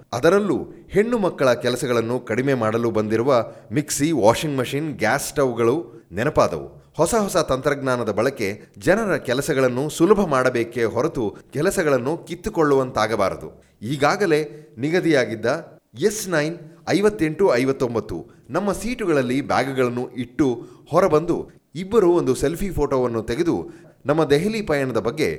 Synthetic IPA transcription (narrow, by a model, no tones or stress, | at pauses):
ɐd̪ɐɾɐlːṵhe̞ɳːumɐkːɐɭɐkɛlɐsɐɡɐɭɐnːukɐɽime̞ːmaːɽɐlubɐnd̪iɾuʋɐmiksiʋaːʂiŋɡmɐʂinɡaːsʈɐʋɡɐɭu | nɛnɐpaːd̪ɐ̰ʋṵ | hɔsɐɦɔsɐt̪ɐnt̪ɾɐɡnaːnɐd̪ɐbɐɭɐke̞ | d͡ʒɛnɐɾɐkɛlɐsɐɡɐɭɐnːusulɐbʱɐmaːɽɐbeːke̞ɦɔɾɐt̪ukɛlɐsɐɡɐɭɐnːukit̪ːukoɭːuʋɐnt̪aːɡɐba̰ːɾɐd̪ṵ | iːɡaːɡɐle̞ːniɡɐd̪ijaːɡid̪ːɐ | jesnɐjnɐjʋɐt̪ːe̞ɳʈuɐjʋɐt̪ːo̞mbɐt̪ːṵ | nɐmːɐsiːʈuɡɐɭɐlːiba̰ːɡuɡɐɭɐnːuʔiʈːuhɔɾɐbɐnd̪ṵ | ibːɐɾuond̪uselpʰipʰoːʈoːʋɐnːut̪eɡe̞d̪ṵ | nɐmːɐd̪eɦelipɐjɐɳɐd̪ɐbɐɡːe̞̰